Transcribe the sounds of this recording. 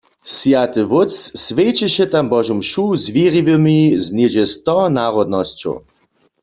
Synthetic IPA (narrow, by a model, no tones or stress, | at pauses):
sjat̪ɨʋʊt͡ssʋet͡ɕɛɕɛt̪ambɔʒumʃuzviʁiʋəmizned͡ʑɛst̪ɔnaʁɔd̪̚nɔst͡ɕo̰